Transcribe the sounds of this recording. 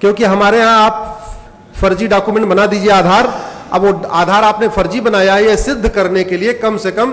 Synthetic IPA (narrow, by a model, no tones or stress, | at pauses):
kjõːkiɦɐmaːɾeɦãaːp̚ | fɐɾd͡ʒiɖaːkumẽɳʈbɐnad̪iːd͡ʒieaːd̪ʱaːɾ | ɐ̰bʋoaːd̪ʱaːɾaːpnefʰɐɾd͡ʒibɐnaːjaɦɛjesɪd̪ʱːkɐɾnekeliekɐmsekɐm